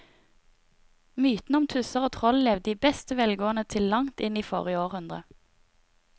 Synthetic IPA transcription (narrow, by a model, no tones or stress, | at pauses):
myːt̪n̩ɔmt̪ʰʉsəʁoːt̪ʰʁɔllɛːʋd̪iːbɛst̪əʋɛlɡoːənət̪ʰɪllɑŋt̪ɪniːfo̰ːʁəoːʁhʉnd̪ʁə